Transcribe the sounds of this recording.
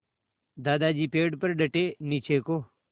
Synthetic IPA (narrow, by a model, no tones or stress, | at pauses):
d̪aːd̪aːd͡ʒiːpeːɖpəɾɖəʈeːniːt͡ʃʰeːkoː